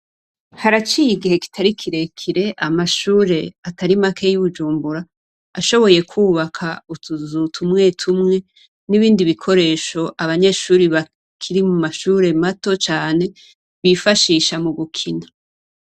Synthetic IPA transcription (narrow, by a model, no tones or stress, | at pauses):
haɾat͡ʃiːjiɡihe̞ki̥tʰaɾikʰiɾe̞kʰiɾe̞ʔamaʃuːɾe̞ataɾimakʰe̞juβud͡ʒuːmbuɾa | aʃo̞βo̞je̞kʰuːβakʰautʰuzutʰumŋe̞ːtʰumŋe̞ | niβiːndiβikʰo̞ɾe̞ːʃo̞ʔaβaɲe̞ːʃuːɾiβa | kʰiɾimumaʃuːɾe̞mato̞t͡ʃaːne̞ | βifaʃiːʃamuɡukʰina